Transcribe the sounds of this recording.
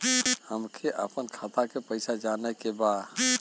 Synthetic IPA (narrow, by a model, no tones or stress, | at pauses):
həmkʰeʔəpənkʰat̪ʰakepəɪsad͡ʒanəjkebad̪